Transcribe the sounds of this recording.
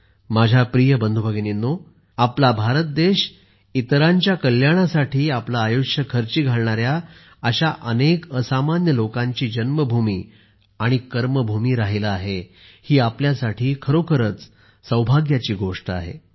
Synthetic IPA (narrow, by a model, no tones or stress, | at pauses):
mad͡ʑʱapɾijəbənd̪ʱubʱəɡninːo | aplabʱaɾət̪̚d̪eɕ | it̪ɾaɲt͡ɕjakəljaɽ̃asaʈʰiːaplaːjoɕəkʰəɾt͡ɕiːɡʱaɭɳaɾja | əɕaʔənekəsamanjəlokãɲt͡ɕiːd͡ʑənməbʱumiː | aɽ̃ikəɾməbʱumiːɾaɦelaːɦe | hiːapljasaʈʰiːkʰəɾokʰəɾət͡s | səwbʱaɡjat͡ɕiːɡoʂʈəa̰ɦḛ